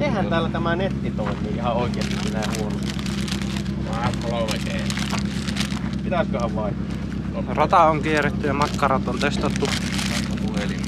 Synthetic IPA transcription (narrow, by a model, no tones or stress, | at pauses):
sehænæːlːæt̪æmænet̪ːit̪oˑimˑiːʔihɑoˑikeːikilːæjɑhuonost̪ɑ | ɑɑlolekeː | pit̪æskøhæʋʋɑˑikːɑ | rot̪ɑoŋkieret̪ːyjɑmɑkːɑrɑt̪ont̪øst̪ɑt̪ːu | ɑk̪ːɑpuheli